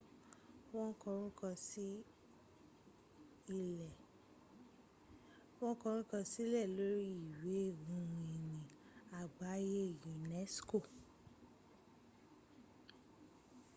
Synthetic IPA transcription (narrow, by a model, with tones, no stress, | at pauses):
w̃ɔ̃˦kɔ˧ɾũ˦kɔ̃˧si˦ | i˧ɛ˨ | w̃ɔ̃˦kɔ˧ɾ̃ũ˦kɔ̃˧si˦lɛ˦˨lo˦ɾi˦i˦˨we˨˦˨ũ˧ũ˧i˨nĩ˨ | a˨ɡ͡ba˨˦je˦˨jĩ˨nɛ˦sko˦˨